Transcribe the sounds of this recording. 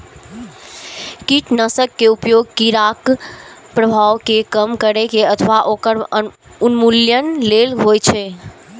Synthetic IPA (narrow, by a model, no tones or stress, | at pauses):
kiʈnəsəkːeupjoɡkiɾakpɾəbʱaʋkekəmkəɾekeət̪ʰʋaʔokəɾ | unmuljənlelɦojt͡ʃʰɛ